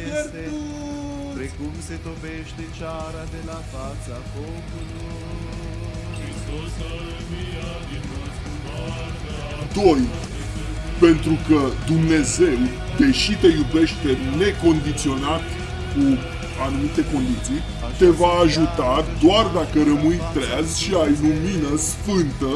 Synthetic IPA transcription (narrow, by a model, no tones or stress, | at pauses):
d̪o̞j | pe̞nt̪ɾukəd̪umne̞ze̞w | d̪e̞ʃit̪e̞jube̞ʃt̪e̞ne̞ko̞nd̪it̪sio̞nat̪ | ku | anumit̪e̞ko̞nd̪it̪sij | t̪e̞vaːʒut̪ad̪oard̪akəɾəmɨjt̪ɾeazʲʃiajluminəsfɨnt̪ə